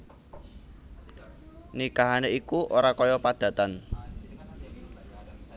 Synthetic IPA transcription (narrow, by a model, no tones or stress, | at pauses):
nikaɦaneikuʔoɾakɔjɔpad̪̥ä̤t̪an